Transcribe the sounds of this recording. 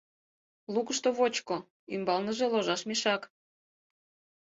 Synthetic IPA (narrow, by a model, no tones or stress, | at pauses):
lukəʃt̪oβot͡ɕko | ymbɑlnəʒeloʒɑʃmeʃɑk